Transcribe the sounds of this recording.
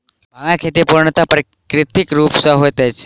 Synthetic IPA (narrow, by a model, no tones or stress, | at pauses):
maŋãkʰet̪ipuɾɳt̪apɾə | kɾɪt̪ikɾuːpsəɦojt̪ɛt͡s